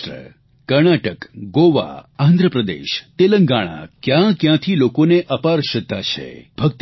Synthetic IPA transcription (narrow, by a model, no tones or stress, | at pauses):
ɾə̰ | kəɾnaʈəkɡoʋa̰ãnd̪ʱɾəpɾəd̪ḛʃt̪eləŋɡaɽ̃a̰kjãkjãt̪ʰilokoneʔəpaɾʃət̪ːat͡ʃʰḛbʱəkt̪